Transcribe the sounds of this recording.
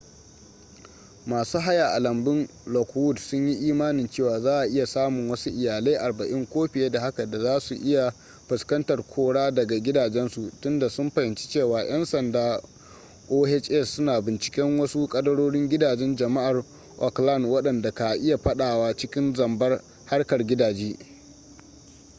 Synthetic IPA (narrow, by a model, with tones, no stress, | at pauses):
maː˨suː˦ɦa˦ja˨ʔa˨lɐ˨mbɪ˦n | lɔ˨kwʊ˦˨dsʊ˦ɲji˦ʔiː˦maː˦nɪ˨nt͡ʃeː˦˨waː˨zaː˦ʔa˨ʔɪ˦ja˨saː˦mʊ˨ŋwɐ˦su˦ʔɪ˨jaː˨le˦ʔa˨rbɐ˨ʔɪ˦ŋkʷoː˦ɸɪ˨jeː˦da˨ha˦ka˨da˨zaː˦su˨ʔɪ˦ja˨ | ɸʊ˨skɐ˦ntɐ˨rkʷʰoː˦ɽaː˦dɐ˨ɡa˨ɡʲɪ˦daː˨d͡ʒɛ˦nsu˨tʊ˦nda˨sʊ˦mɸɐ˨hɪ˨nt͡ʃi̥˦t͡ʃeː˦˨waː˨j̰ɐ˦nsɐ˨ndaː˦ | ʔoː˦hɛ˦t͡ʃʔɛ˦˨sːʊ˦naː˨bɪ˨nt͡ʃɪ̥˨˦kʲɛ˦ŋwɐ˦su˦kʼɐ˦dɐ˦ɽoː˦ɽɪ˦ŋɡʲɪ˦daː˨d͡ʒɛ˦nd͡ʒɐ˨ma˦ʔa˨r | ʔɔ˨kla˦˨nwɐ˦ɗɐ˨nda˨ka˨ʔɪ˦ja˨ɸɐ˦ɗaː˨waː˦t͡ʃɪ˦kʲɪ˦nzɐ˨mbɐ˦r | ha˦rkɐ˨rɡʲɪ˦daː˨d͡ʒiː˦